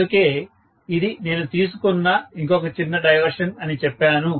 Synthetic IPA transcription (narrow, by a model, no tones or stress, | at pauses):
uke̞ː | id̪ine̞ːnut̪iːs̬ukɔnːaːiŋkɔkɐt͡ʃinːɐɖɐjʋɐɾʂɐnɐnit͡ʃɛpːaːnu